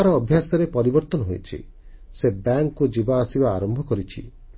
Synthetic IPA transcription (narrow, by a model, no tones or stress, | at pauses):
aɾɔːbʱjasɔɾepɔɾibɔɾt̪ɔnɔɦo̰jt͡ʃʰḭ | sebaŋkkud͡ʒibaːsiba̰ːɾɔmbʱɔkɔɾit͡ʃʰḭ